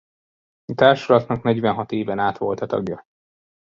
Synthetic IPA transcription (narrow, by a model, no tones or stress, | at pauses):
ɒt̪aːrʃɒlɒt̪nɒknɛɟʋɛnɦɒt̪eːvɛnaːt̪ʋo̞lt̪ɒt̪ɒ̰ɡjɒ